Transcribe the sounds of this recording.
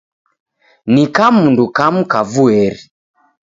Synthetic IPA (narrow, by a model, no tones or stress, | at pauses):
nikamundukam̩kavuɛɾi